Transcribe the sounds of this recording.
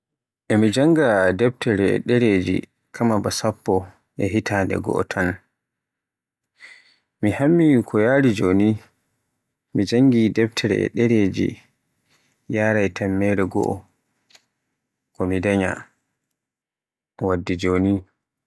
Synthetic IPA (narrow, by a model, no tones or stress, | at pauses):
ʔɛmid͡ʒaŋɡadɛb̚tʰɛɾɛɛ̰ɗɛɾed͡ʒḭ | kʰamabasapːɔ | ʔɛɦitaːndɛ̰ɡɔ̰ʔɔ̰tʰan | mihamːikʰɔjaɾid͡ʒoni | mid͡ʒaŋɡidɛp̚tʰɛɾɛ̰ɛ̰ɗɛɾeːd͡ʒḭ | jaːɾajtʰamːɛɾɛɡɔ̰ʔɔ̰ | kɔmidaɲa̰ | wadːid͡ʒoːni